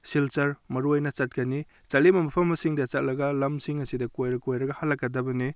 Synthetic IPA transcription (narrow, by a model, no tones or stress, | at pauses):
silt͡ʃɐɾmɐɾuajnɐt͡ʃat̚kɐni | t͡ʃalemɐmɐpʰɐmːɐsiŋdɐt͡ʃat̚lɐɡɐlɐmsiŋɐsidɐkojɾɐkojɾɐɡɐhalːakːadɐbɐni